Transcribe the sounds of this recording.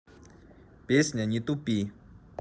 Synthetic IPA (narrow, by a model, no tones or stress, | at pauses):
pesɲaɲit̪upi